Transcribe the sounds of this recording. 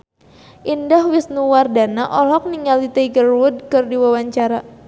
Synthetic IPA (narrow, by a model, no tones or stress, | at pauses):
ʔindaɦwisnuwardanaʔɔlɔk̚niŋalit̪ajɡərwud̚kɨrdiwawaɲt͡ʃaɾa